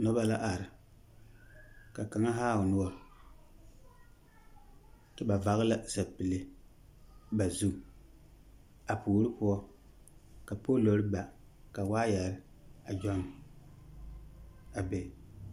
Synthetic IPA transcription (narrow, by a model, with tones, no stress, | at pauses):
nɔ˦ba˦la˦ʔa˨ɾɨ˨ | ka˨ka˨ŋa˦ɦaː˦˨ʊ˨nʊ˦ɔ˦ | tɨ˨ba˨va˨ɣɨ˦la˦za˨pɨ˨lɪ˦ | ba˨zu˦ | a˨puː˨˦ɾɨ˦pʊ˦ɔ˦ | ka˨po˦lo˨ɾɨ˦ba˨ka˨waː˦jɛ˨ɾɪ˦ | a˨d͡ʒɔ˦n | a˨be˨